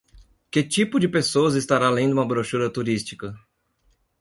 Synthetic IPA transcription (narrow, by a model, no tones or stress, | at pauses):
kɪt͡ʃipʊd͡ʒɪpesowɐzist̪aɾalẽj̃d̪ũmɐbɾoʃuɾɐt̪uɾist͡ʃi̥kɐ